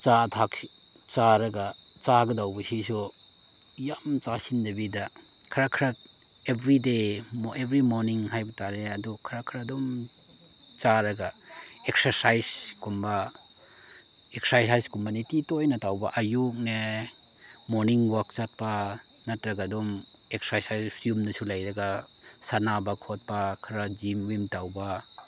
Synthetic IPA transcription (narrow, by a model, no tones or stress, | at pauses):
t͡ʃatʰak | t͡ʃaɾɐɡat͡ʃaɡɐdawbɐsisu | jamt͡ʃasindɐbidakʰaɾakʰɾat̚ | ebɾidemebɾimoɾniŋɦajbitaɾeadukʰaɾakʰɾadɔm | t͡ʃaɾɐɡa | ek̚sɐɾsajskumba | ek̚sajsajskumanititojnɐtawbaʔɐjuk̚ne | moɾniŋwak̚t͡ʃat̚pa | nɐtɾɐɡadɔmek̚sajsajjumnɐsulajɾɐɡa | sanabɐkʰot̚pakʰɾad͡ʒimwimtawba